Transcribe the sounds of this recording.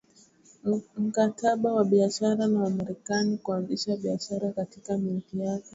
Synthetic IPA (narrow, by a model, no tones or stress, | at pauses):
m̩kataɓawaɓiaʃaɾanawamaɾɛkanikuanziʃaɓiaʃaɾakatikamitijakɛ